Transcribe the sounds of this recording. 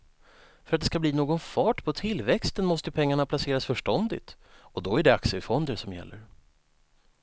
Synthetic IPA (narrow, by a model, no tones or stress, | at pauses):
fœɾat̪̚d̪ɛskabliːnoːɡɔnfɑːʈpʰɔt̪ʰɪlːvɛkst̪ənmɔst̪əpʰɛŋːaɳapʰlaseːɾasfœʂʈɔnd̪ɪ̰t̪ɔd̪ɔæɖɛaksɪəfɔnd̪əɾʂɔmjɛ̰lːə̰ɾ